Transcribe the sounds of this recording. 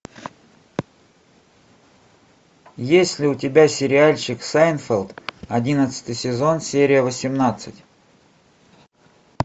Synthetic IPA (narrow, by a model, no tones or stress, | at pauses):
jesʲlʲɪʊtʲɪbʲasʲɪɾʲɪalʲt͡ɕɪksajnfʲelʲˠt̪ɐdʲinət̪sɨ̥t̪ɨjsʲɪzo̞nsʲeɾʲɪjəvəsʲɪmnat̪sɨtʲ